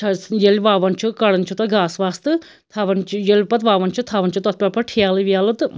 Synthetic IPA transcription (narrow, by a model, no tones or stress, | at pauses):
ɐjelʲʋaːʋɐnt͡ʃʰukɐɽɐnt͡ʃʰut̪ɐɡaːsʋaːst̪ɨ | t̪ʰaʋɐnt͡ʃʰijelʲpɐt̪ʋaːʋɐnt͡ʃʰut̪ʰaʋɐnʲt͡ʃʰut̪ɐt̪̚pʲɐpɐʈʰiaːlɨʋʲaːlɨt̪